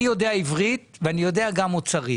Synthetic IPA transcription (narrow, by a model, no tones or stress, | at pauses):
jo̞deaivʁit̪veanijo̞deaɡamot͡saʁi